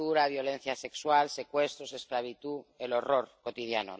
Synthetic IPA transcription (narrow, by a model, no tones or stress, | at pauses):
uɾaβ̞jo̞le̞n̟θjase̞kswalse̞kwe̞st̪ɾose̞sklaβ̞it̪uelo̞ro̞ɾko̞t̪iðjano̰